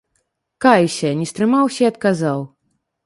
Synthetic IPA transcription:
kajsʲɐnʲɛst̪ɾɨmawsʲɐiɐt̪̚kazaw

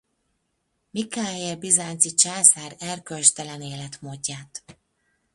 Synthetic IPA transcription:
mikaːerbizaːnt̪sit͡ʃaːsaːɾɛrkølt͡ʃt̪ɛlɛneːlɛt̪moːɟːaːt̪

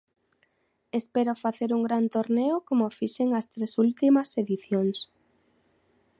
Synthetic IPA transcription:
espeɾʊfaθeɾuŋɡɾant̪oɾneʊkomofiʃeŋɐst̪ɾesult̪imɐseðiθjoŋs

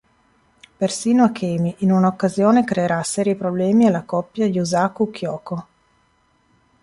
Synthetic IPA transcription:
persiːnoakʰːɛːmiʔinunaokːazjoːnekɾeːɾasːɛːɾiipɾoblɛːmialːakɔpːjadiuzaːkukʰːjɔːko

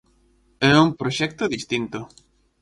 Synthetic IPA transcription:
ɛumpɾoʃɛk̚t̪ʊðist̪int̪ʊ

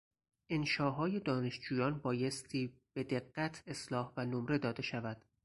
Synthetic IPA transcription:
ʔenʃɒːɦɒːje̞d̪ɒːne̞ʃd͡ʒuːjɒːnbɒːje̞st̪ʰiːb̥e̞d̪e̞ɢːæt̪ʰe̞slɒːhvænomɾe̞d̪ɒːd̪e̞ʃævæd̪̥

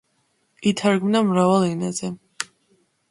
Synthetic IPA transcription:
it̪ʰaɾɡmnamɾavalˠinazɛ

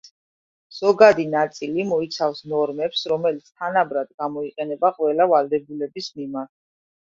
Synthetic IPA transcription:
z̥ɔɡad̪inat̪sʼilimɔit̪sʰafsnɔɾmɛpsɾɔmɛlit̪sʰt̪ʰanabɾad̪̚ɡamɔiqʼɛnɛbaqʼwɛlavalˠd̪ɛbulɛbismimaɾt̪̚ʰ

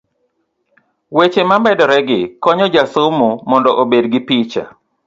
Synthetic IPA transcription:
wet͡ʃemambɛdɔɾɛɡɪkɔɲɔd͡ʒasʊmumɔndɔʔobedɡɪpit͡ʃa̰

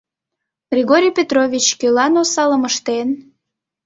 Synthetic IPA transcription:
ɡrʲeɣoɾʲijpʲet̪rovʲit͡ɕkølɑnosɑləməʃt̪en

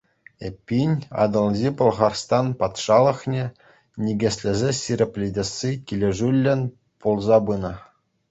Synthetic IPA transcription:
epʲːinʲɑ̰d̪ɤ̆lʲˠzʲipɤ̆lˠʁɑrst̪ɑnpɑt̪ʂɑlˠɤ̆χnʲe | nʲiɡʲĕsʲlʲɘ̆zʲesʲirʲepʲlʲidʲĕsʲːikʲilʲĕʐylʲːɘ̆nʲ | pulˠzɑbɯnɤ̆

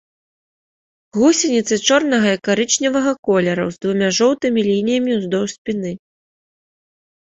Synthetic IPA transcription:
ɣusʲɐnʲit̪sɨt͡ʂɔrnɐɣɐikaɾɨt͡ʂnʲɐvɐɣɐkɔlʲɛɾɐ̰wzd̪vumʲaʐɔwt̪ɨmʲilʲinʲijɐmʲiuzd̪ɔwsʲpʲinɨ

